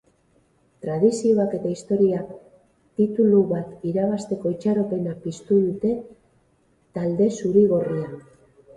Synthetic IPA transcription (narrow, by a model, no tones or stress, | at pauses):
t̪ɾað̞isio̞βake̞t̪aist̪o̞ɾia | t̪it̪uluβat̪iɾaβ̞ast̪e̞ko̞it͡ʃaɾo̞pe̞napist̪uðut̪e̞ | t̪ald̪e̞suɾiɣ̞o̞ria